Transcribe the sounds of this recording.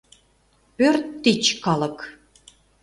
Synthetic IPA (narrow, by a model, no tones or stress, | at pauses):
pørt̪ːit͡ɕkɑlɤ̆k